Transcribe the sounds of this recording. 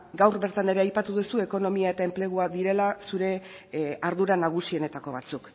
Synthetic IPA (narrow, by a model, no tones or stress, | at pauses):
ɡawɾβe̞ɾt̪ane̞ɾe̞ajpat̪uðusue̞ko̞no̞miae̞t̪ae̞mple̞ɣ̞uaðiɾe̞lasuɾe̞ | aɾðuɾanaɣ̞usio̞ne̞t̪ako̞β̞at͡suk